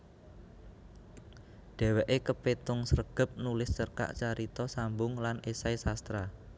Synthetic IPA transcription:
ɖ̥ɛ̤wɛʔekəpet̪ʊŋsərɡ̥ə̤p̚nulɪst͡ʃərka̰ʔt͡ʃaɾit̪ɔsambʊŋlanesaisast̪ɾa

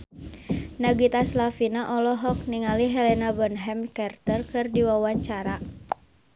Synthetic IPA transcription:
naɡit̪aslafinaʔɔlɔɦɔk̚niŋaliɦɛlɛnabənɦɛmkɛrt̪ərkɨrdiwawaɲt͡ʃaɾa

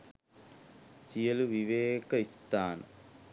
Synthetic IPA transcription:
sijɐluʋiʋeːkɐist̪aːnɐ̰

